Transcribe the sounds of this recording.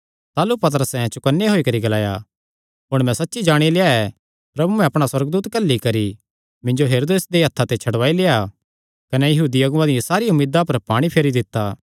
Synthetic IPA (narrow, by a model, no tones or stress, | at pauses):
t̪aːlupɐt̪̬əɾəsɛ̃t͡ʃʊkənːeɦoːikɐɾiɡɐlaːja̰ | ɦʊɽ̃mɛ̃sɐtːʃid͡ʒaːɽ̃ileːaɛ | pɾɐbumɛ̃ɐpɽ̃aswɐɾəɡd̪uːt̪kɐlːikɐɾi | mɪ̃ɲd͡ʒoɦeːɾoːd̪eːsd̪eɦɐt̪ʰːat̪et͡ʃʰɐɽʋaːileːa | kɐnɛjɐɦuːd̪iɐɡʊʋãd̪ɪãsaːɾiʊmɪːd̪apɐɾpaːɽ̃ipʰeːɾid̪ɪt̪ːaː